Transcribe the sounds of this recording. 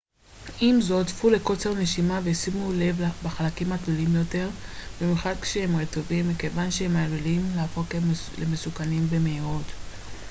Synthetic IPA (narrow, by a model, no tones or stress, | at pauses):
ʔimzo̞tfule̞ko̞t͡seʁne̞ʃimavejsimule̞vbaχalakimakdolimjo̞te̞ʁbimjuχad̪̚kʃeemʁeto̞vimːikevanʃehemalulimleafo̞klemesukanimvemeiʁo̞t